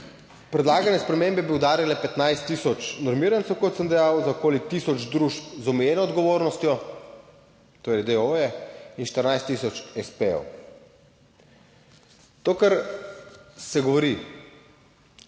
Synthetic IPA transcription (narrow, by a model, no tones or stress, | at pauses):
pɾɛd̪laːɡanɛspɾɛmembɛbiud̪aːɾjalɛpɛt̪najst̪ːisɔt͡ʃnɔɾmiːɾant̪ɛwkɔt̪səmd̪ɛjawzaɔkoːlit̪isɔd͡ʒd̪ɾuʃpzɔmɛjeːnɔːd̪ɡɔʋoːɾnɔst̪jɔ | t̪ojɛd̪eoːjɛinʃt̪əɾnajst̪ːisɔt͡ʃɛspeo̰w | t̪oːkəɾ | sɛɡɔʋɔɾi